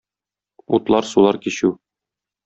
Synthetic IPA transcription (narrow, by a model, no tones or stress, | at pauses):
ut̪lˠɑɾsulˠɑɾkiɕʉ